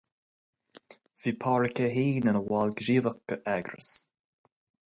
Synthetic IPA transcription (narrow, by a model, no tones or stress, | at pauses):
v̥iːpʰɑːɹəkəɦiːnənəwɑlɡɾiːðəkəʔɛɡɾə̰s